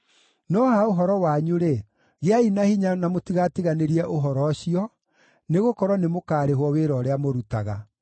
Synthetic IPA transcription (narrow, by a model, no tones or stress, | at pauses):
nɔhaoɦɔɾɔwaɲuɾe | ɣeainahiɲanamotiɣatiɣaneɾiɛʔoɦɔɾɔɕiɔ | neɣokɔɾwɔnemokaːɾeɦwɔweɾɔːɾeamoɾutaɣa